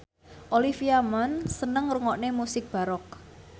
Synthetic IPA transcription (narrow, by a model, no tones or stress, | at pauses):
ʔolifiamansənəŋruŋɔʔnemusɪk̚b̥a̤ɾɔk̚